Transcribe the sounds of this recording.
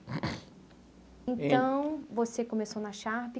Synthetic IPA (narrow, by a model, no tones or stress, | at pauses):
ẽt̪ɐ̃w̃vosekõmesonɐʃaɾpɪ